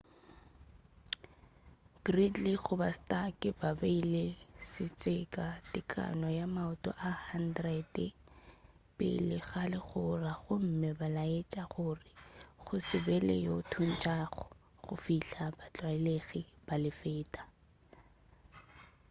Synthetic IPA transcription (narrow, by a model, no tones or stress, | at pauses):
ɡ̥ridliɣʊbastʼakʼɪbabeilesɪt͡sʼɪkʼadɪkʰʼa̰nɔjamaʊtʼɔ̰ʔahandrɛd | pʼɪ̰lɪɣalɪɣʊraɣʊm̩mɪbalaet͡ʃʼaχʊrɪɣʊsɪbɛlḛjotʰun̩t͡ʃʼaχɔ | ɣʊ̰fiɬabat͡ɬʼwaɪleɣib̥alɪfeːtʼḁ